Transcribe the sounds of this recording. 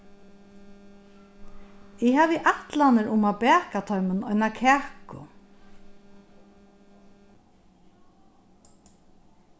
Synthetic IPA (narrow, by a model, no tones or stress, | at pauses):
ɪhaːʋɪʔaht̪lanəɾʊmabɛːkat̪ʰɔɥmənɔjnakʰɛːkʊ̰